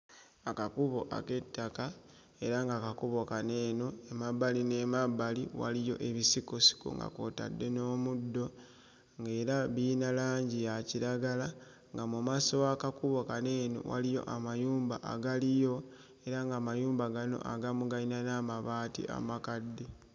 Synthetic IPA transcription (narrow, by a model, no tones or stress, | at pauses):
akakuβo̞ʔa̰ke̞tːaka | e̞ɾaŋɡakakuβo̞kaneːnoemaβaline̞mabːaliwa̰lijo̞̰ʔe̞βisikosi̥kṵŋɡa̰koːta̰dːe̞no̞ːmudːo̞ | ŋɡe̞ːɾaβiːnalaːɲɟijaciɾaɡala | ŋɡamumasowakakuβo̞kane̞ːno̰wa̰lijo̞̰ʔamajuːmbaʔa̰ɡalijo̞ | e̞ɾaŋɡaːmajuːmbaɡano̞̰ʔa̰ɡamuɡainanamaβaːtḭʔa̰makadːi